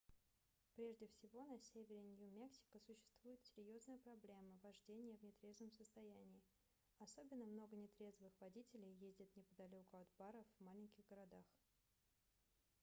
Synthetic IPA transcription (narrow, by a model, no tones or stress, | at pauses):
pɾʲe̞ʐdʲɪfsʲɪvo̞nɐsʲevʲɪɾʲɪnʲjumʲeksʲɪ̥kəsʊɕːɪ̥st̪v̥ujɪt̪sʲɪɾʲjo̞znəjəpɾɐblʲe̞məvɐʐdʲenʲɪjəvnʲɪt̪ɾʲe̞zvəmsəst̪ɐjænʲɪɪ | ɐso̞bʲɪnːəmno̞ɡənʲɪt̪ɾʲe̞zvɨxvɐdʲitʲɪlʲɪjjezʲdʲɪt̪nʲɪpəd̪ɐlʲo̞kʊɐd̪baɾəvmalʲɪnʲkʲɪɣɡəɾɐd̪ax